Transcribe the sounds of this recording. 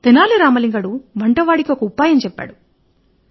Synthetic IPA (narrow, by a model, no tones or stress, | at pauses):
t̪enaːluɾaːmɐliŋɡɐɽuʋɐɳʈɐʋaːɽikiokɐupaːjɐmt͡ʃɛpːa̰ːɽu